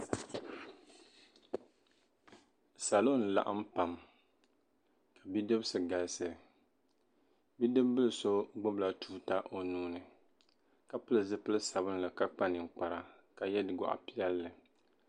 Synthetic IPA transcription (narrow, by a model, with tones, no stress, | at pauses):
sa˨lo˦˨n̩˨la̰˨ʔa̰˦m̩˦pa˨m | ka˨bi˦dɨ˦bsɨ˨ɡa˨lsɨ˦˨ | bi˦dɨ˦bbɨ˦lɨ˨so˦ɡ͡bʊ˦bla˨tʰuː˦ta˦ʔo˨nuː˦nɨ˨ | ka˨pɨ˦lɨ˨zɨ˦pɨ˦lɨ˦sa˨bɨ˦n˦lɨ˨ka˦k͡pa˦nɨ˨ŋ̩˨k͡pa˨ɾa˨ | ka˨jɛ˦dɨ˨ɡɔ̰˨ʔa̰˨pi˦ɛ˦lːɨ˨